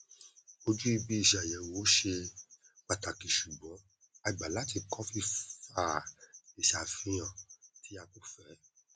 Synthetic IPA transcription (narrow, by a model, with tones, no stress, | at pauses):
o˧d͡ʒu˦i˧bi˧i˧˨ʃa˨jɛ˨wo˨˦ʃe˧ | k͡pa˨ta˨kĩ˨ʃu˨ɡ͡bɔ̃˨˦ | a˧i˨ɡ͡ba˨la˨˦ti˦˨kɔ˦fi˦˧fa˦˨i˨ʃa˨fĩ˧˦j̃ã˨ti˨˦a˧ko˨fɛ˨˦